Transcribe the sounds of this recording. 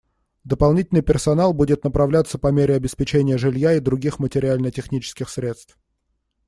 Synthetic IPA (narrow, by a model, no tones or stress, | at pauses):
d̪əpɐlˠnʲitʲɪlʲnɨjpʲɪrsɐnalˠbudʲɪt̪̚nəpɾɐvlʲat̪səpɐmʲeɾʲɪɐbʲɪspʲɪt͡ɕenʲɪjəʐɨlʲjaid̪ɾʊɡʲixmətʲɪɾʲɪalʲnətʲɪxnʲit͡ɕɪ̥skʲɪxsɾʲe̞t̪st̪f